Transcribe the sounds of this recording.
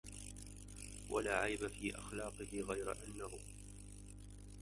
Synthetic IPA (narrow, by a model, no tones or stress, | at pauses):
wa̰laːʕajbafiːʔa̰xlɑːqɨhɪɣajɾa̰ʔanːahʊ